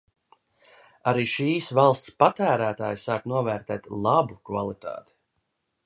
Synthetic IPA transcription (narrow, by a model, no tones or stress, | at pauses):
aɾiːʃiːsvalˠst̪spat̪æːɾæːt̪aːjsaːknuɔvɛːɾt̪ɛːt̪lˠabukva̰lˠit̪a̰ːt̪i̥